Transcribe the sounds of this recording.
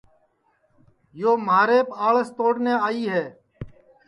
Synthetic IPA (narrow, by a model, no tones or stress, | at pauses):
joːmaːɾeːpaːɭəst̪oːɽneːaːiːɦɛː